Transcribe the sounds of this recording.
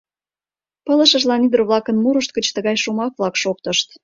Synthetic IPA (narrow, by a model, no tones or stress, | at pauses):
pələ̆ʃəʒlɑnid̪roβlɑkənmuɾəʃt̪̚kət͡ɕt̪əɣɑjʃumɑk̚βlɑkʃok̚t̪əʃt̪